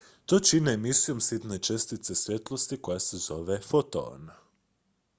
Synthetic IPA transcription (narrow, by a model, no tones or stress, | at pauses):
t̪o̞t͡ʃineːmisijo̞msit̪net͡ʃest̪it̪se̞sʋje̞t̪lˠo̞st̪iko̞jasezo̞ʋefot̪o̰ːn